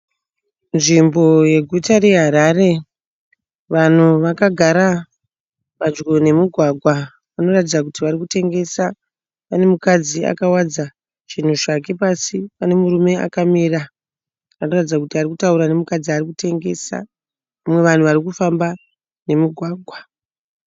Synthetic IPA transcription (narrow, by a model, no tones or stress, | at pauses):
nʐimbo̞je̞ɡʱutaɾe̞ɦaɾaːre̞ | ʋan̤uʋakaɡʱaɾa | ʋad͡ʒɡone̞muɡʱwaɡʱwa | ʋano̞ratid͡zakutiʋarikute̞ŋɡe̞sa | ʋane̞mukad͡zia̰kawad͡za | ʐ̥in̤uʐake̞pasipane̞muɾume̞a̰kamiːra | ano̞ratid͡zakutiarikutauɾane̞mukad͡ziarikute̞ŋɡe̞̰sa̰ | ʋamwe̞ʋan̤uʋaɾikufamba | ne̞muɡʱwaːɡʱwa